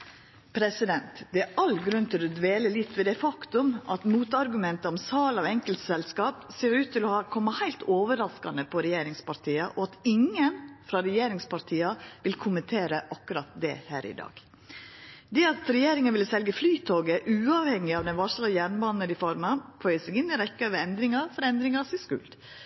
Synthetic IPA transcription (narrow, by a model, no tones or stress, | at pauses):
pʰɾɛsɪd̪ɛnt̪d̪ɛæʔɑlːɡɾʉnt̪ʰɪlɔd̪ʋeːləlɪt̪ːʋɛd̪ɛfɑkt̪ʊmʔɑt̪muːt̪ɑɾɡʉmɛnt̪əɔmsɑːlɑʋɛŋkəlt̪sɛlskɑːpseːɾʉːt̪ʰːɪlɔhɑkʰɔmːɑhæɪlt̪ʰoːʋəɾɑskɑ̰nəpʰɔɾɛjeːɾɪŋspɑɾʈʰiːɑʔɔɑt̪ɪŋːənfɾɑɾɛjeːɾɪŋspɑɾt̪ʰiːɑʋɪlkʰʊmənt̪ʰeːɾəʔɑkːʉɾɑt̪̚d̪ɛ̰hæ̰ːɾʔɪ̰d̪ɑ̰ːɡ̥ | d̪ɛɑt̪ɾɛjeːɾɪŋənʋɪlsɛlɡəflyːt̪ʰoːɡəʔʉːɑʋhɛŋːɪɑʋd̪ɛnʋɑʂləjænbɑnːəd̪ɪfɔɾmɑfʰœʏəsɛɡɪnːɪɾɛkːəøːʋəɾɛnd̪ɾɪŋɑɾfɔɾɛnd̪ɾɪŋɑsɪskʉ̰ld̪